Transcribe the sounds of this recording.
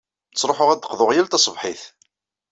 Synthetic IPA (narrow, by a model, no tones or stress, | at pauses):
t͡sːɾˤoħʊʁæd̪ːə̥qðʊʁjælt̪ɑsˤəvħiθ